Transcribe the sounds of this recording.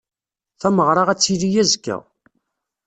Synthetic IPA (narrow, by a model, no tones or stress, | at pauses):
θæməʁɾˤɑʁæt͡sːilijæzkːæ̰